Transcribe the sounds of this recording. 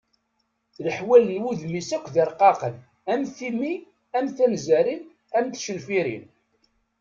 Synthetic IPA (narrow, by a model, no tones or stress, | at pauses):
ləħwælənwuðmisækʷːðiɾqɑqən | æmθimi | æmθænzæɾin | æmt̪ʃənfiɾin